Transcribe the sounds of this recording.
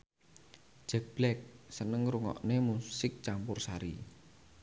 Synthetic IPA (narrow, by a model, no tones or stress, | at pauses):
d͡ʒ̥ɛk̚b̥lɛk̚sənəŋɾuŋɔ̰ʔnemusɪk̚t͡ʃampʊrsaɾḭ